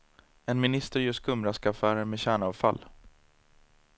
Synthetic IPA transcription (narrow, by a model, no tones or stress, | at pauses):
ɛnmɪnɪst̪əɾjɵskʰɵmɾaskafæːɾəmeːɕæːɳaːvfa̰l